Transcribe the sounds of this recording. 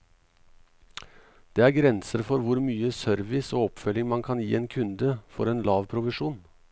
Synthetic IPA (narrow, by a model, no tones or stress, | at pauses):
d̪̥eːæːɾɡɾɛnsəɾfɔɾʋʊɾmyːəsœɾʋɪsoːɔpfœlɪŋmɑnkʰɑnjiːeːnkʰʉnd̪əfɔɾeːnlɑːʋpʰɾʊʋɪʂuːn